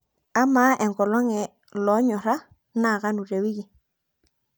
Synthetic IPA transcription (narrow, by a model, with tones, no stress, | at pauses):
a˦maː˨˦ʔɛ˨ŋɡɔ˨lɔ˦ŋɛ˨ | lɔ˨˦ɲɔ˨ɾa˦ | na˦˨ka˦nu˨re˨wi˦ki˨